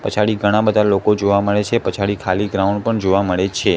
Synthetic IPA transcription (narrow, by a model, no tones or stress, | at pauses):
pət͡ʃʰaɽiɡʱəɽ̃ãbəd̪ʱalokod͡ʒoʋaməɭet͡ʃʰepət͡ʃʰaɭikʰaliɡɾauɳɖ̚pəɳd͡ʒoʋaməɭet͡ʃʰe